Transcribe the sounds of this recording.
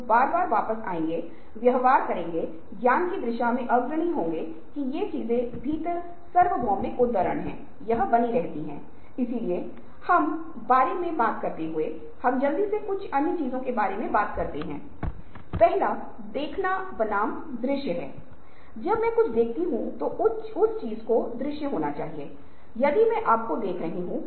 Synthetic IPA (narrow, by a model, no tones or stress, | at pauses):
baːɾbaːɾʋaːpəsa̰ːẽːŋɡeː | ʋjɐɦʋaːɾkɐɾẽːŋɡe | ɡjaːnkid̪ɾɪʃamẽʔɐɡɾəɽ̃iɦõːŋɡe | kijet͡ʃiːzẽbʱiːt̪ə | sɐɾʋəɡʱɔ̃ːẽʔʊd̪aːɾəɽɦɛ̰̃ː | jɐɦəbɐniɾɛɦt̪iɦɛ̃ː | ɪsilie | hɐm | baːɾemẽbaːt̪kɐɾt̪eɦʊe | hɐmd͡ʒɐld̪isekʊt͡ʃʰɐnːit͡ʃiːzõkebaːɾemẽbaːt̪kɐɾt̪eɦɛ̰̃ː | pɛɦla | d̪eːkʰnabɐnaːm | d̪ɾɪʃjəɦɛ̰ː | d͡ʒɐbmɛ̃kʊt͡ʃʰd̪eːkʰt̪iɦũt̪oʔʊ | ʊst͡ʃiːzkod̪ɾɪʃjəɦoːnat͡ʃaːɦieː | jɐd̪imɛ̃ʔaːp̚kod̪eːkʰɾɐɦeɦũ